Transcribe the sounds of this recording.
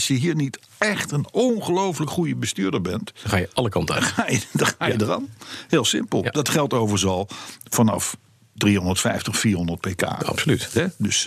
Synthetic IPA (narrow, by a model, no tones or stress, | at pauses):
sjəɦiːɹnit | ɛχtənonχəlowfləkχujəbəstyːɹdəɹbɛntχaːjəɑləkɑntaχaːjədχaːjədərɑ̰nheːlˠsɪmpəlˠdɑtχɛlˠtowvəɹzɑlˠfɑnɑ̰f | driɦɔndəɹtfɛjftəχfiːrɦɔndəɹt̚peːka̰ːɑ̰psolytɦɛdøs